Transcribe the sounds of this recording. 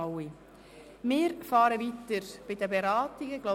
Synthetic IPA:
i | mɪːɾfɑːɾəvit̪əɾb̥ɪdəbeɾɑːtiɡəɡ̥lo

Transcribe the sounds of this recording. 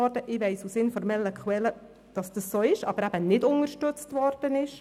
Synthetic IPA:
ɔɾd̥əʔɪʋɛɪsusɪnfɔɾmɛlːəkχwɛlə | d̥ɑsd̥əsːoːɪʃɑ̰bəɾæb̥ənɪdʊŋəʃtʏt͡stʋɔɾd̥ənɪʃ

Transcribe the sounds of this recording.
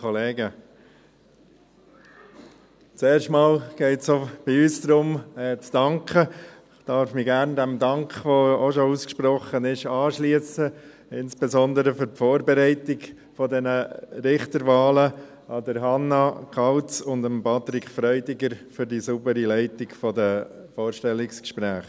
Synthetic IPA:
ɔleːɡə | t͡seːɾʃtmɑːlɡ̥ɛɪtsob̥iyːsd̥̪ɾʊmɛt͡sd̥ɑŋkʰə | d̥ɑːɾfmiɡæɾnd̪ɛmd̪ɑŋkχʋooʃɔuskʃpɾɔχənɪʃɑːʃliəsə | ɪnsb̥ɛzɔnd̪əɾəfʏɾtfɔːɾbɛɾɛɪtɪɡ | fɔdɛnəɾɪχt̪əɾʋɑːlə | ɑd̪əɾɦɑnːɑkʰɑltt͡sʊnd̪əmpɑt̪ɾɪkʰfɾœʏdɪɡəɾfʏɾdisubəɾilɛɪtɪɡfɔdə | fɔːɾʃtɛlːɪkskʃpɾæːχ

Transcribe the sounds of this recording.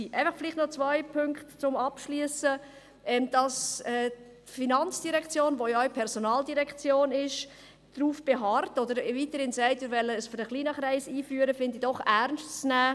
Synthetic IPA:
iʔæɪfəχfɪlɪχtnɔt͡sʋœɪpʰʏŋktt͡sʊmɑpʃliəsə | ʔɛːmd̥ɑsɛː | tfinɑnt͡sd̥iɾɛkt͡sjoːnʋojopʰɛɾsonɑːldiɾɛkt͡sjoːnɪʃ | d̥ɾuːfb̥eɦɑrtɔd̪əɾviːtəɾhɪnsæɪtɪːɾʋɛlːəːsfəɾnəχliːnəχɾɛɪsiːfyːəɾəfɪndid̥ɔχæɾnʃtt͡snæː

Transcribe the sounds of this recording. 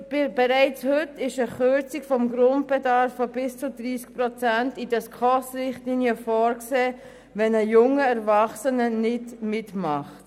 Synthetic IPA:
b̥ɛɾæɪt͡shʏtɪʃəχʏɾt͡sikfɔmɡɾʊnt̚b̥ɛdɑɾfːɔbɪst͡sudɾiːsk̚pɾɔt͡sæntidɑskʰɔsɾɪχtliːnjəfɔːɾkseː | vɛnəjʊŋːəɛɾvɑχsənənɪdmɪtmɑχt

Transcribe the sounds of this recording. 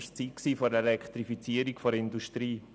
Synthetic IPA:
ʃt͡siːt̚ksiːfɔɾelɛktɾifit͡siəɾikfoɾɪnduʃtɾiː

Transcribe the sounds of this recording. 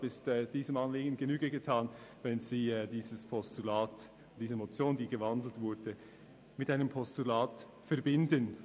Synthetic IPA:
bɪstɛd̥iːzəmɑnleːɡən̩ɡənyːɡəɡətʰaːnvɛnziːɛdiːzəspʰɔstulaːt | d̥iːzəmot͡sjoːndiːɡəvɑndl̩tv̥ʊɐd̥ə | mɪtʔaɪnəmpʰɔstulaːt | fɛɐbɪndən

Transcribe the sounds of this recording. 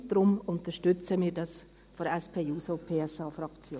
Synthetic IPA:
d̥ɾʊmʊnt̪əʃtʏt͡səmiːɾdɑs | fɔɾɛspʰeːuːsopʰeːɛsɑːfɾɑkt͡sjoː

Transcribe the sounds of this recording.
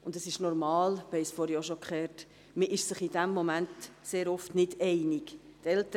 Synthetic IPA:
ʊndəsɪʃnɔɾmɑːlb̥ɛɪsfɔɾjoʃokʰχɛːɾt | məʔɪʃsəχid̥æmːɔmæntseːɾɔftnɪdɛɪnɪɡtɛltə

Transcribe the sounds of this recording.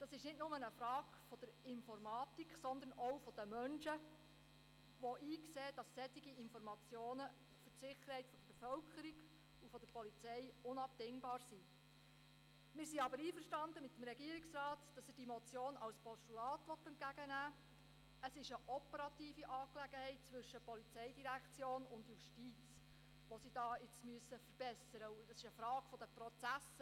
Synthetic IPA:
d̥ɑsɪʃnɪdnʊmənəfɾɑːɡfɔd̥̪əɾɪnfɔrmɑːt̪ikχsɔnd̪ənɔwfɔd̥əmœnʃə | ʋɔʔiːkseːd̥ɑsːɛt̪iɡiɪnfɔɾmɑt͡sjoːnə | fʏtsɪχəɾhɛɪtfɔd̥əɾbefœlkʰəɾiɡ | ufɔd̥̪əɾpɔlit͡sɛjʊnɑp̚dɪŋbɑːɾsi | mɪːɾsiɑbəɾiːfəɾʃtɑnd̪əmɪt̪ːəm̩ɾɛɡiəɾɪksɾɑːtd̥ɑsəd̥imɔt͡sjoːnɑlspʰɔstulɑːtʋɔt̪ːɛntɡæɡənæː | əsɪʃəʔɔpəɾɑt̪iːfiʔɑːklæɡəhɛɪt̚t͡sʋʏʃːəpɔlit͡sɛɪdiɾækt͡sjoːnʊnd̪juʃtiːt͡s | ʋɔsid̥ɑːɪt͡smyəsːəfəɾb̥ɛsəɾəuəsɪʃəfɾɑːɡ̥fɔd̥̪əpɾɔt͡sæs

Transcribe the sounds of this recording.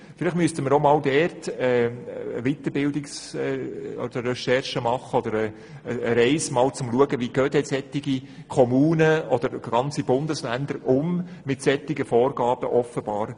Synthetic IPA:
fɪlɪχtmyəst̪əməɾomɑːldɛɾtɛə̰ʋit̪əɾbɪld̪ɪksɛɔ̰d̪̥əɾɾɛʃɛrʃəmɑχːəɔd̪əɾəː | ɾɛɪsmɑːlt͡sʊmluəɡəviɡ̥øːt̪ɛsɛt̪ːɪɡi | kʰɔmuːnəɔd̥əɾɡ̥ɑnt͡sib̥ʊnd̪əslænd̪əɾʊmmɪtsɛt̪ːɪɡəfɔːɾɡ̥ɑːb̥əʔɔfəb̥ɑːɾ

